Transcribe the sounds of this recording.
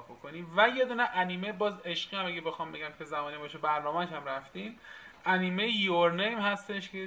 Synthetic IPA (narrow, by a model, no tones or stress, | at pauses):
bokoniːvæje̞d̪uːneʔæniːmebɒːze̞ʃɢiːæmæɡebe̞xɒːmbe̞ɟʲæmcʲʰe̞zæmɒːnibɒːʃebæɾnɒːmæʃhæmɾæft̪iːmæniːmejjoɾnejmhæst̪e̞ʃcʰe